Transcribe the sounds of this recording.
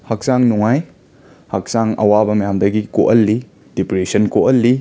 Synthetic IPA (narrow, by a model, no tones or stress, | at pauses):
hɐk̚saŋnuŋaj | hɐk̚saŋɐ̰wabɐmɐjamdɐɡikoʔɐlːi | d̥ipɾesɐnkoʔɐlːi